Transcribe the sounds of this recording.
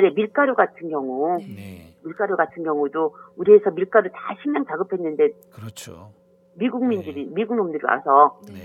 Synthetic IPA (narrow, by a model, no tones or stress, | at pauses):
ɾemiɭk͈aɾoɡatʰɯnɡjʌŋu | miɭk͈aɾoɡatʰɯnɡjʌŋudouɾie̞sʰʌmiɭk͈aɾota̰ɕʰiŋɲaŋt͡ɕaɡɯpʰe̞nːɯnde̞ | kɯɾʌt͡ɕʰo | miɡuŋmindɯɾimiɡuŋnomndɯɾia̰sʰʌ